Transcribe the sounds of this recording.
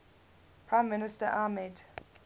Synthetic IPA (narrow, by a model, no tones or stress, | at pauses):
pʰɹãɪ̃mːɪnɪstəʔaːmɛd